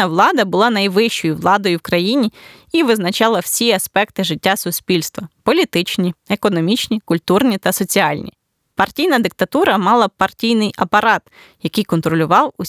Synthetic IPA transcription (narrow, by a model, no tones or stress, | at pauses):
ɐʋlˠɑd̪ɐbʊlˠɑnɐjʋɪʃt͡ʃɔjʊʋlˠɑd̪ɔjʊwkɾɐjinʲi | iʋɪznɐt͡ʃɑlˠɐw̥sʲiɐspɛkt̪ɪʒɪtʲːasʊsʲpʲilʲst̪ʋɐpɔlʲit̪ɪt͡ʃnʲiekɔnɔmʲit͡ʃnʲikʊlʲt̪urnʲit̪ɐsɔt͡sʲiɑlʲnʲḭ | pɐrtʲijnɐd̪ɪk̚t̪ɐt̪uɾɐmɑlˠɐpɐrtʲijnɪjɐpɐɾɑt̪ | jɐkɪjkɔnt̪ɾɔlʲʊʋɑwu